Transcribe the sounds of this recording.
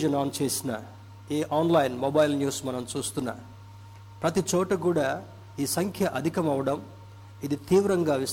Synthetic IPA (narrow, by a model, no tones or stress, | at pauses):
d͡ʒɐnaːnt͡ʃe̞ːsinɐ̰ | eːʔaːnlɐjnmobɐjilnjuːsmɐnɐmt͡ʃuːst̪unːa̰ː | pɾɐt̪it͡ʃɔːʈɐkuːɽaː | iːsɐŋkʰjɐʔɐd̪ʱikɐmɐʋɐɽɐm | id̪it̪iːʋɾɐŋɡaːʋi